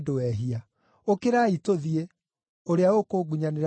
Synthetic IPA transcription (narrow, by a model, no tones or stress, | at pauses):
dowɛɦia | okeɾaːitoðie | oɾeaokoɡuɲaneɾ